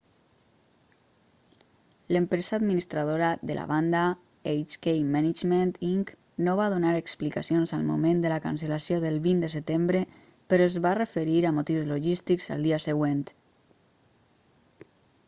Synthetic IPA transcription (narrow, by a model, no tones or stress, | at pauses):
ləmpɾezaːd̪minist̪ɾað̞oɾaðə̰lʔa̰βand̪a | ejt͡ʃkejmanid͡ʒment̪iŋk | noβaðunaɾəksplikasionzalˠmṵmend̪əlaka̰nsəlasjoðəlˠβind̪əsət̪embɾə | pəɾɔezβarəfəɾiɾamut̪iwzloʒist̪ikza̰lˠd̪iasəɣwent̪